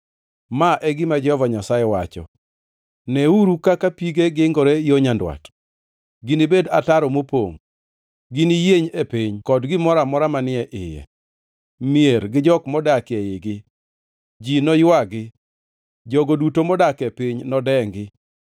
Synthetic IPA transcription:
maʔɛɡɪmad͡ʒɛhɔvaɲasajɛwat͡ʃɔ̰ | nɛuɾukakapiɡeɡɪŋɡɔɾɛjoɲandwa̰t | ɡɪnɪbeda̰taɾɔmopo̰ŋ | ɡɪnijeɲepiɲkɔdɡɪmɔɾamɔɾamanɪɛʔɪjɛ̰ | mieɾɡɪd͡ʒɔkmɔdakɪɛjɪɡɪ | d͡ʒinɔjʊwaɡɪ | d͡ʒɔɡodutomɔdakepiɲnɔdɛŋɡɪ

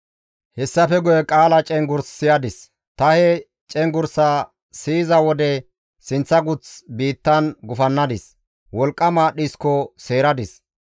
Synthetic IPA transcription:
hɛsːɐfɛɡʊjɛkʼaːlɐt͡ʃʼɛŋɡʊɾsːɪjɐd̪ɪs | t̪ɐhɛ | t͡ʃʼɛŋɡʊɾsaː | siːzɐwɔd̪ɛ | sɪnt͡sːɐɡʊt͡sbiːt̪ːɐnɡʊfɐnːɐd̪ɪs | wɔlkʼːɐmaːɗiskɔse̞ːɾɐd̪ɪs

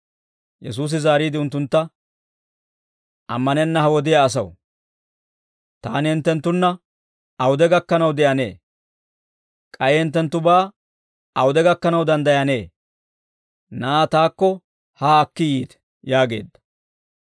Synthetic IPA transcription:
jɛs̬uːs̬ɪzaːɾiːd̪ɪʊnt̪ːʊnt̪ːɐ | ʔɐ̰mːɐnɛnːɐhɐwɔd̪ɪjɐːs̬ɐw | t̪aːnhɪnt̪ːɛnt̪ːʊnːɐ | ɐwʊd̪ɛɡɐkːɐnɐwd̪ɛʔɐne̞̰ː | kʼɐjɛɪnt̪̬ːɛnt̪ːʊbaː | ɐwʊd̪ɛɡɐkːɐnɐwd̪ɐnd̪ɐjɐne̞ː | naːt̪aːkːɔ | haːkːɪjiːt̪ɛ̥ | jaːɡe̞̰ːd̪ːɐ̥

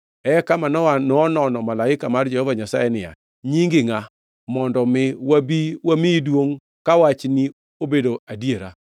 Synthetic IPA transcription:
ɛkamanɔwanɔnɔnɔmalaɪkamard͡ʒɛhɔvaɲasajɛnɪja̰ | ɲiŋɡɪŋa | mɔndɔmɪwabiwamidwoŋ | kawat͡ʃni | obedoadjeɾa̰

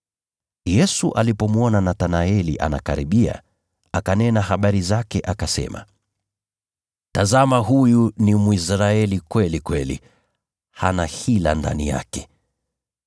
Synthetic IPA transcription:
jɛsuʔalipɔmwɔnanatanaɛliʔa̰na̰kaɾiɓia̰ | akanɛnaɦaɓaɾizakɛʔakasɛ̰ma̰ | tazamaɦujunimwisɾaɛlikwɛlikwɛlḭ | hanahila̰nda̰nija̰kɛ̥

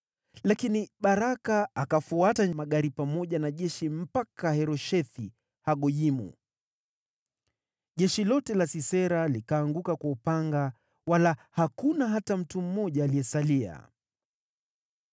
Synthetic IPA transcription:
lakiniɓaɾakaakafuataɲmaɠaɾipamɔʄanaʄɛʃim̩pakahɛɾɔʃɛθi | haɠɔʄimṵ | ʄɛʃilɔtɛlasisɛɾalikaːŋɡukakwaupaŋɡa | walahakunaɦatam̩tum̩mɔʄaːliɛsalia̰

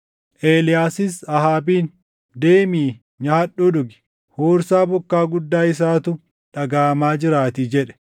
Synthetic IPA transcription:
ʔeːlɪjaːsɪsɐhaːbiːn | d̪eːmiː | ɲaːɐᶑːʊᶑʊɡɪ̥ | hoːɾsaːbɔkːaːɡʊd̪ːaːɪs̬aːt̪ʊ | ᶑɐɡaːmaːd͡ʒɪɾaːt̪id͡ʒɛᶑɛ̥

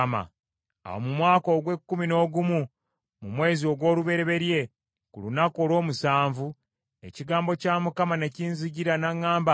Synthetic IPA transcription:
ma̰ | a̰wo̰mumwaːko̞ːɡwe̞kːumino̞ːɡumu | mumwe̞ːzio̞ɡwo̞ːluβe̞ɾe̞βe̞ɾje̞ | kulunako̞ːlwo̞ːmusaːɱvu | e̞̰ciɡaːmbo̞caːmukamane̞ciːnziɟiɾanaŋːaːmba

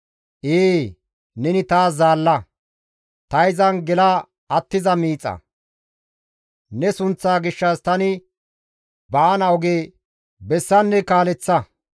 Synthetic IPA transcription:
ʔeː | nɛnɪt̪aːzaːlːɐ | t̪ɐjzɐnɡɛlɐ | ɐt̪ːɪzɐmiːt͡sʼːɐ̰ | nɛsʊnt͡sːaːɡɪʃːaːst̪ɐnɪ | bɐːnɐwɔɡeː | bɛsːɐnːɛkaːlɛt͡sːɐ

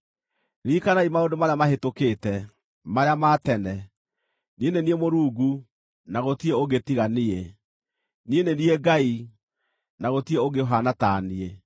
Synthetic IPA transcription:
ɾikanaimaodomaɾeamaɦetokeːtɛ | maɾeamatɛnɛ | nieneniemoɾuːɡu | naɣotieoɡetiɣanie | nienenieɡai | naɣotieoɡeɦanataːnie

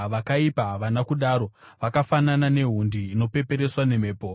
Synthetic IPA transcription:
ʋakaipaʋanakuɗaːɾo̞ʋakafananane̞ɦundiːno̞pe̞pe̞ɾe̞swane̞me̞ːpo̞

